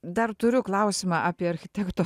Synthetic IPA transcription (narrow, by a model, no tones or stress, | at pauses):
d̪ɐrt̪ʊɾʲʊklˠɐˑʊsʲɪmɑʔɑːpʲiɛɐɾʲxʲɪt̪ʲɛkt̪oː